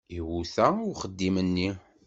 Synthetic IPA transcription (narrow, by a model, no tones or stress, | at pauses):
iwuθæʊχəd̪ːimənːi